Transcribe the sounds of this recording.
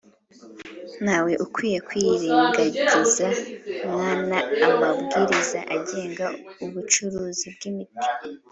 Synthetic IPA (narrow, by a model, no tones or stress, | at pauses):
nhaːwe̞ʔukwiːje̞kwiːɾiːŋɡaɟizamŋaːnaːmabɡiːɾizaʔaɟe̞ːŋɡauβut͡ʃuɾuːzibɡimiti̥